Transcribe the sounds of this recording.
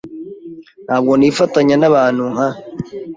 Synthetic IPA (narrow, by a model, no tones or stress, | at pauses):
nhaːb̚ɡoniːfataɲanaβaːnuŋha